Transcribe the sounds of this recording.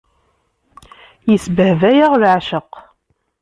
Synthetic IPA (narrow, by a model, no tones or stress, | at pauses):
jəsbəhvæjaʁlʕʃəq